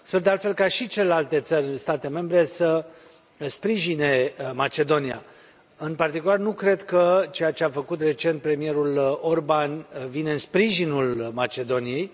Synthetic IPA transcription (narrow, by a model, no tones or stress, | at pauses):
sperd̪ealt̪fe̞lkaʃit͡ʃele̞lalt̪e̞t̪sərʲɨnst̪at̪e̞me̞mbɾe̞sə | spɾiʒine̞mat͡ʃe̞d̪o̞nia̰ | ɨnpart̪ikularnukɾe̞d̪kət͡ʃe̞jat͡ʃe̞afəkut̪re̞t͡ʃe̞nt̪̚pɾe̞mije̞ɾulo̞rbanvine̞ɨnspɾiʒinulmat͡ʃe̞d̪o̞nije̞j